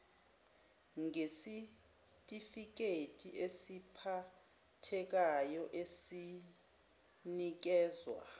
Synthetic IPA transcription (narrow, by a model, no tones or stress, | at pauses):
ŋesi | tʼifik̬ʼetʼiʔesipʰa | tʰɛk̬ajɔʔesi | nik̬ɛːzwa̰